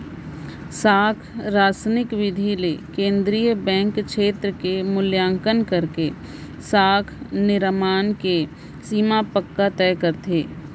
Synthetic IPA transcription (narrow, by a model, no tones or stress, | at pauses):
saːkʰɾaːsənɪkʋɪd̪ʱilekẽːnd̪ɾijəbɛ̃ːŋkʃeːt̪ɾəkemʊljãːŋkənkɐɾke | saːkʰnɪɾmaːnke | siːmapəkːat̪ɛːkəɾt̪ʰeː